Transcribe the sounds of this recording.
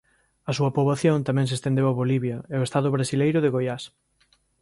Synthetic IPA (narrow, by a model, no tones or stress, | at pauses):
ɐsuɐpoβaθjõnt̪amɛ̃ŋs̬est̪end̪ewaβoliβjɐeoest̪aðʊβɾasilejɾʊðeɣojas